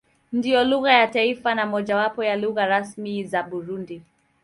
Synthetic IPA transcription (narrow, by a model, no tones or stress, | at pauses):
ndijɔluɣajataifanamɔʄawapɔjaluɣaɾasmizaɓuɾundi